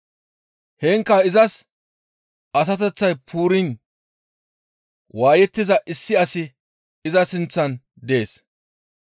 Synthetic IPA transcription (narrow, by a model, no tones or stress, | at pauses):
hɛŋkːɐɪzɐs | ɐs̬ɐt̪ɛt͡sːɐjpʰuːɾɪn | waːjɛt̪ːɪzɐʔɪsːɪɐsɪ | ɪzɐsɪnt͡sːɐn | d̪e̞ːs